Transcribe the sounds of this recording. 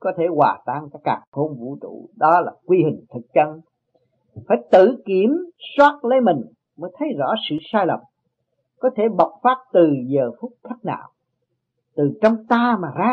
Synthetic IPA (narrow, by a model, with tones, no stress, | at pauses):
kɔ˨˦t̪ʰe˧˩waː˨˩t̪aː˧ŋkaː˦˥kːa̰ː˨˩ŋxo˧nvṵ˧˥t͡ɕṵ˧˩ɗɔ˨˦laː˨˩kwi˧hï˨˩ŋ̟t̪ʰɨ˨˩k̚t͡ɕə˧n | faː˧˩˦jt̪ɨ̰˧˨ki˧˩˦əmswaː˦˥t̚lə˨˦jmï˨˩ŋ̟ | məː˨˦jt̪ʰə˨˦jzɔ̰˧˥sɨ̰˧˨saː˧jlə˨˩m | kɔ˨˦t̪ʰe˧˩ɓə˨˩wk͡p̚faː˦˥t̚t̪ɨ˨˩zəː˨˩fʊ˦˥k͡p̚t̪ʰə˦˥t̚na̰ː˧˩˨w | t̪ɨ˨˩t͡ɕwŋ͡mt̪aː˧maː˨˩zaː˧